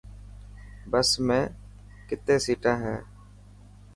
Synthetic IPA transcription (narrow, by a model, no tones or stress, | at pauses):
bəsmẽː | kɪt̪eːsiːʈãːɦɛː